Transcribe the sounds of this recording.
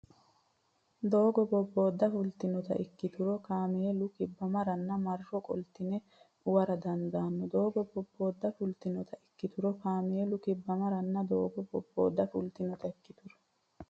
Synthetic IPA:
d̪o̞ːɡɔbɔbːo̞ːd̪ːɐfʊlt̪ɪnɔt̪ɐ̰ʔɪkːɪt̪ʊɾɔkaːmɪjɛlʊkɪbːɐmɐɾɐnːɐmɐrːɔkʼɔ̰lt̪ɪnɛ | ʊwɐɾɐd̪ɐnd̪aːnːɔd̪o̞ːɡɔbɔbːo̞ːd̪ːɐfʊlt̪ɪnɔt̪ʰɐɪkːɪt̪ʊɾɔkaːmɪjɛlʊkɪbːɐmɐɾɐnːɐd̪oːɡɔbɔbːoːd̪ːɐfʊlt̪ɪnɔt̪ɐɪkːɪt̪ʊɾɔ̥

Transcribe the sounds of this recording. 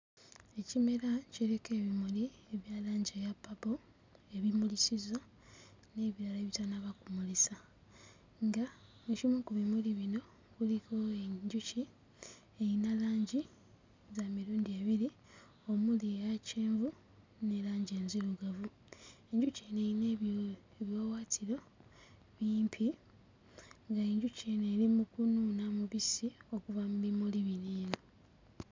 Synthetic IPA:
e̞cime̞ɾaciɾeke̞ːβimulie̞βjaːlaːɲɟejapːabo | e̞βimulisiza | ne̞ːβiɾaleβitanaβakumulisa | ŋɡaecimekuβimuliβino̞ | kuliko̞eɲɟuci | ejinalaːɲɟi | zamiɾuːndieβiɾi | o̞muliaceːɱvu | ne̞laːɲɟe̞ːnziluɡavu | e̞ɲɟuceneine | eβjo̞ːwaːtʰiɾo̞ | βiːmpʰi | ŋɡae̞ɲɟucenelimukunuːnamuβisio̞kuvamuβimuliβineːno

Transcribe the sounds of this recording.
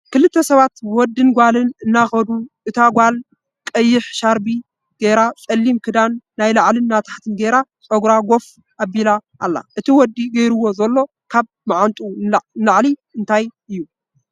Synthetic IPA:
kɨlɨt̪ʰːɐsɐβat̪wɔd̪ːɨnɡʷalɨnɨnːaxɐd̪uʔɨt̪ʰaɡʷal | kʼɐjːɪħʃaɾbi | ɡ̥eɾat͡sʼɐlːimkʰɨd̪anːajlaʕlɨnːat̪ʰḁħt̪ʰɨnɡeɾat͡sʼoɡɾaɡo̞f | ʔabilaʔːlːa̰ʔɨt̪ʰiwɔd̪ːiɡɐjɾuwo̞zɐlːo̞ | kʰaβ | maʕant̪ʼunlaʕliɨnt̪ʰajɨjːu

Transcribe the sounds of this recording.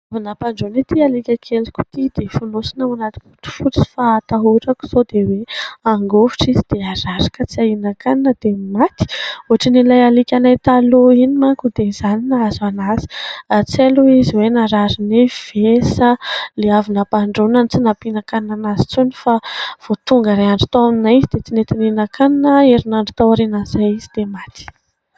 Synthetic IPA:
avinapaɳɖ͡ʐonit̪ialikʲakʰelikʲu̥t̪id̪efunosinawanat̪i̥kuʈ͡ʂu̥fut͡si̥faːt̪aɦoɾaku̥z̥od̪eweaŋɡoviʈ͡ʂizid̪̥eaɾaɾakət͡siainakaninəd̪̥emat̪i̥oɦaʈ͡ʂinilajalikʲanajt̪aloinimakud̪eizaninaazanazi̥at͡seluiziwenaɾaɾiniv̥esəleavinapaɳɖ͡ʐonanit͡sinapinakaninanazi̥t͡sunifav̥ot̪uŋɡaɾeaɳɖ͡ʐit̪aaminaizid̪et͡sinet̪ininakaninəeɾinaɳɖ͡ʐit̪awaɾenanzajizid̪emat̪i̥

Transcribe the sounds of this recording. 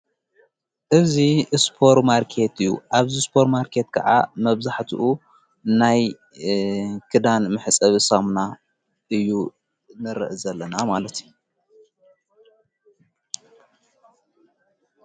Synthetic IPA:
ʔɨzispʰo̞ɾmaɾkʰe̞t̪ɨjːṵʔaβzispʰo̞ɾmaɾkʰe̞t̪kʰɐ̰ʕa̰mɐβzaħt̪ʰuʔu | naj | kʰɨd̪anmɨħɨt͡sʼɐβɨsamna | ʔɨjːu | nɨɾɨ̰ʔɨzɐlːɐnamalɐt̪ʰij

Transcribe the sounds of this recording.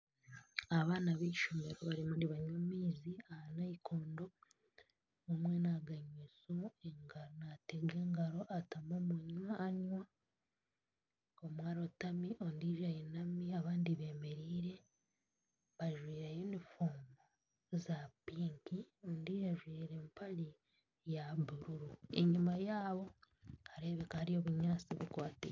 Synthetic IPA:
aβaːnaβiiʃome̞ɾo̞βaɾimondiβaɲamiːziahanaikʰoːndo̞ | omwe̞naɡaɲwesoeŋɡaɾonateɡe̞ːŋɡaɾo̞ʔatamomuɲwaːɲwa | omwaːɾo̞tamiʔondiːʒajenamiaβaːndiβe̞ːme̞ɾiːɾe̞ | βaʒwiːɾajenifuːmbo | zapiːŋkio̞ndiːʒaʒwiːɾe̞mpʰali | jaβuɾuɾuḛɲumajaːβo̞ | aɾe̞ːβekahaɾijo̞βuɲaːt͡siβukwaːtḛ

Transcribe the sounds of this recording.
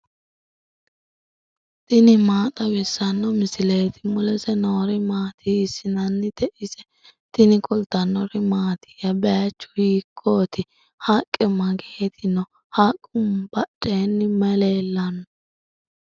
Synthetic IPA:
t̪ɪnɪmaːt̪ʼɐwɪsːɐnːɔmɪsɪleːt̪ɪmʊlɛsɛnoːɾɪmaːt̪ʰiːsɪnɐnːɪd̪̥ɛʔɪsɛ | t̪ɪnɪkʼʊlt̪ːɐnːɔɾɪmaːt̪ɪ̥jɐbɛjɐt͡ʃːʊ̥hiːkʰːoːt̪ɪ | hakʼːɛmɐɡeːt̪ʰɪnːɔ | hakʼːʊmb̥ɐt͡ʃʼːeːnːɪmɛleːlːɐnɔ

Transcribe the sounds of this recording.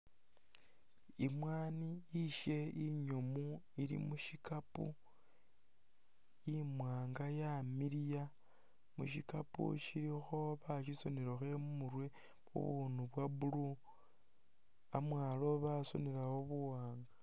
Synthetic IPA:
imwaːniiʃe̞iɲomu | iɾḭmuʃikapṵ | jimwaːŋɡajamiɾija | muʃikapṵʃiɾixo̞βaʃiso̞neɾoxe̞mumuɾwe̞ | ṵβunuβwabulu | amwaːlo̞βaso̰neɾawoβuwaːŋɡḁ

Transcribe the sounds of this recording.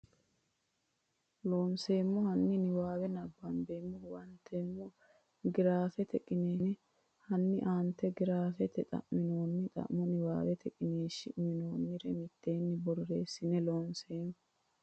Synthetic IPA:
lo̞ːnse̞ːmːɔhɐnːɪnɪwaːwɛnɐbːɐnbeːmːɔwɐnt̪ʰːeːmːɔ | ɡɪɾaːfɛt̪ʰɛkʼːɪneːnɪ | hɐnːɪʔaːnt̪ːɛɡɪɾaːfɛt̪ʰɛt̪ʼɐ̰ʔmɪno̞ːnːɪt̪ʼɐ̰ʔmɔnɪwa̰ːwɛt̪ʰɛkʼɪneːʃɪʔmɪno̞ːnːɪɾɛmɪt̪ːe̞ːnːɪbɔɾɾeːsːɪnɛlo̞ːnse̞ːmːɔ

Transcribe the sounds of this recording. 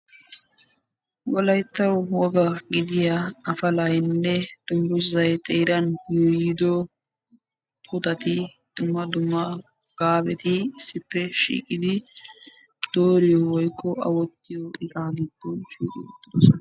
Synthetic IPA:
wɔlɐjt̪ːɐwwɔɡɐɡɪd̪ɪjɐɐfɐlɐjɪnːɛd̪̥ʊmbʊzɐjt̪ʼeːɾɐnjuːjɪd̪ɔ | kʊt̪ɐt̪ɪ | d̪̥ʊmːɐd̪ʊmːɐ | ɡ̥aːbɛt̪ɪɪsːɪpːɛʃḭːkʼɪd̪ɪ | d̪̥oːɾɪjɔwɔjkʰːɔʔɐ̰wɔt̪ːɪjɔʔɪkʼaːɡɪd̪ːɔnʃiːkʼɪd̪ʊs

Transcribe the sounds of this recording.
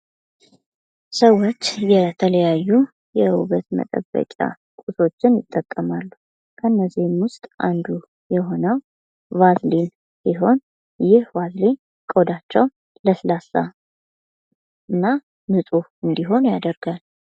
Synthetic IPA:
səwːo̞t͡ʃːjɛt̪ʰələjajːu | jɛuβət̪mə̰t̪ʼə̰bːə̰kʼa̰ | kʼuso̞t͡ʃːɪnjɪt̪ʼːəkʼːəmalːu | kʰənːəzihmwʊst̪ʼʔand̪u | jɛɦo̞nəw | vazlin | siɦo̞n | jɪhvazle | kʼo̞d̪at͡ʃːɛw | ləsɨlasa̰ | ɨnːa | mɨsʼuɨnd̪iɦo̞njad̪əɾɡal

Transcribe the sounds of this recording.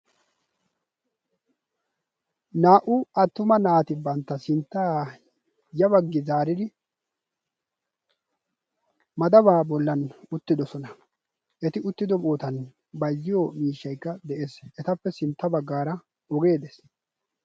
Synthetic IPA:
naːʔʊɐt̪ːʊmɐnaːt̪ɪbɐnt̪ːɐsɪnt̪ːaː | jɐbɐɡːɪzaːɾɪd̪ɪ | mɐd̪ɐbaːbɔlːɐnʊt̪ːɪd̪ɔsɔnɐ | ʔɛt̪ɪʊt̪ːɪd̪ɔmoːt̪ɐn | bɐzːɪjomiːʃːɐjkːɐd̪ɛʔeːsɛt̪ɐpːɛsɪnt̪ːɐbɐɡːaːɾɐ | ɔɡe̞ːd̪es

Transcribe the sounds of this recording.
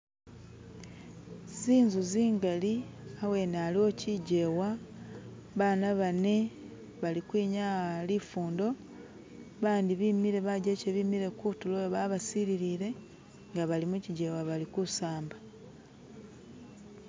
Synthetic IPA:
ziːɲzuziːŋɡaliawe̞nalio̞ciɟe̞wa | βaːnaβane̞ | βalikwiːɲalifuːndo̞ | βaːndiβimiɾe̞βaɟeceβimiɾe̞kutulojoβaβasiɾiɾiːɾe̞ | ŋɡaβalimuciɟe̞ːwaβalikusaːmba

